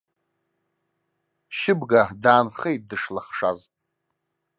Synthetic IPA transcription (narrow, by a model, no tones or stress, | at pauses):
ʃɪbɡadaːnχejt̚dɨʂlaχʂa̰z